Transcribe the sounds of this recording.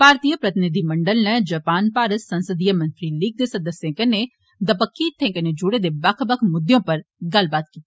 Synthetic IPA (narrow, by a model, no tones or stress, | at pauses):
paːɾt̪ijəpɾɐt̪ɪnɪd̪ʱimɐɳɖəlnɛ̃d͡ʒəpaːnpaːɾəsə̃nsəd̪ijəmɐ̃nt̪ɾilik̚ʰd̪eːsəd̪əsjẽːkəne | d̪əpəkːit̪ʰẽːŋkəned͡ʒʊɽed̪eːbɐkʰbəkʰmʊd̪ːjõːpɐɾɡɐlbaːt̪̚kiː